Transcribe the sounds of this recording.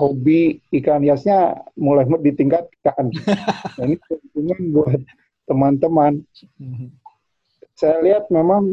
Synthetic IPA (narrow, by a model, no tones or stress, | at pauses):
hobiːkaniasɲamulajmʊdit̪iŋkat̪̚kanjainikunpuŋanbuat̪̚ː | əmant̪əman | sajaliat̪̚memaŋ